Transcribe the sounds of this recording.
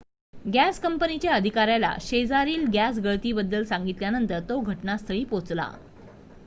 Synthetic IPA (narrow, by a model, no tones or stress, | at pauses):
ɡæskəmpənit͡ɕjaəd̪ʱikaɾjala̰ɕed͡zaɾiːlɡæs̬ɡəɭt̪iːbəd̪ːəlsãŋɡit̪ljanənt̪əɾt̪oɡʱəʈnast̪ʰəɭiːpot͡sla̰